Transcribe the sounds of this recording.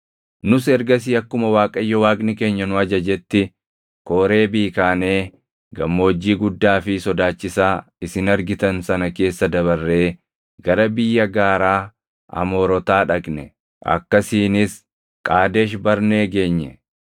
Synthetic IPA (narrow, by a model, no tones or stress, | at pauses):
nʊsɛɾɡɐs̬iːɐkːʊmɐwaːkʼɐjːɔwaːkʼnɪke̞ːɲːɐnʊɐd͡ʒɐd͡ʒɛt̪ːɪ | koːɾe̞ːbiːkaːne̞ː | ɡɐmːo̞ːd͡ʒːiːɡʊd̪ːaːfɪsɔd̪aːt͡ʃːɪsaː | ɪsɪnɐɾɡɪt̪ɐnsɐnɐke̞ːsːɐd̪ɐβɐrːe̞ː | ɡ̥ɐɾɐbɪjːɐɡaːɾaː | ɐ̰mo̞ːɾɔt̪aːᶑɐkʼnɛ | ʔɐ̰kːɐsiːnɪs | kʼaːd̪eːʃbɐɾneːɡe̞ːɲːɛ